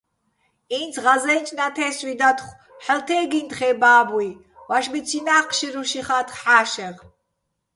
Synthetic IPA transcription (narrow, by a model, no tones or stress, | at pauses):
int͡s̪ʰʁazɛnt͡ʃʼnat̪ʰɛːswid̪at̪χ | ħəlt̪ʰɛːɡint̪χɛbaːbwi | waʃbit͡sʰinaːqʰʃiɾuʃiχat̪ʰχħaːʃɛʁ